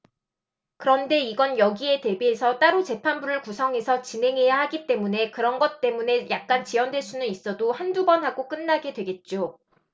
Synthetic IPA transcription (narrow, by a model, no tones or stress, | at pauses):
kɯɾʌnde̞iɡʌnjʌɡie̞te̞biɦe̞sʰʌt͈aɾut͡ɕe̞pʰanbuɾɯɭkusʰʌŋɦe̞sʰʌt͡ɕinɦe̞ŋɦe̞jahaɡit͈e̞mune̞kɯɾʌnɡʌt̚t͈e̞mune̞jʔak̚k͈ant͡ɕiʌndwe̞ɭs͈unɯnis͈ʌdohandubʌnɦaɡok͈ɯnːaɡe̞dwe̞ɡe̞t̚t͡ɕ͈o